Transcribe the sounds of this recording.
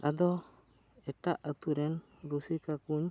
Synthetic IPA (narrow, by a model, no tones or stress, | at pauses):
ad̪ɔ | ɛʈaʔət̪uɾɛn | ɾusikakuɲ